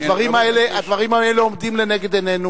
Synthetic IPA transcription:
d̪vaʁimaeleʔad̪vaʁimaeleomd̪imle̞neɡe̞d̪ene̞nu

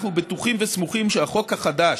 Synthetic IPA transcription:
χnubet̪uχimvesmuχimʃeaχo̞khaχad̪a

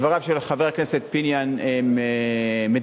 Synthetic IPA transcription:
vaʁavʃelχaveʁkneset̪̚pinjaneeme

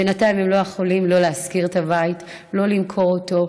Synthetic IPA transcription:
b̥enatajmhemlo̞jeχolimlo̞leaskiʁetavait | lo̞limkʰo̞ʁoto̞

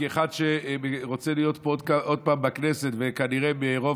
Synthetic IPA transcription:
eχadʃeeʁo̞t͡selijo̞t̪̚pod̪kaʔod̪̚paːmbakneset̪vekaniʁebeʁo̞

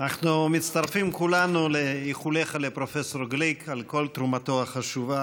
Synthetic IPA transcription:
naχnumit̪t͡st̪aʁfimkulanulejiχuleχalepɾofesoʁɡlikʰalko̞lt̪ɾumat̪oaχaʃuva

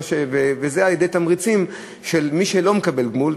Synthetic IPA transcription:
ʃevevezealjed̪ejt̪amʁit͡sim | ʃelmiʃelo̞mekabe̞lɡmul

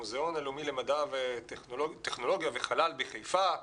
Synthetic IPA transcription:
uzeo̞nelumilemadave | t̪eχno̞lo̞ɡjaveχalalbiχejfa

